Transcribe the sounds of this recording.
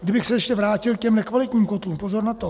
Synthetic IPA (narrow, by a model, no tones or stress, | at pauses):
ɡdɪbɪxsɛjɛʃcɛvɾaːcɪlkcɛmnɛkvalɪt̪ɲiːmkot̪luːmpozo̞ɾnat̪o